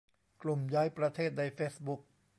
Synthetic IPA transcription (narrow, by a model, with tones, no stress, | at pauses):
klu˨˩mjaː˦˥jpɾa˧t̪ʰeː˥˩t̪̚na˧jfeː˦˥sbu˦˥k̚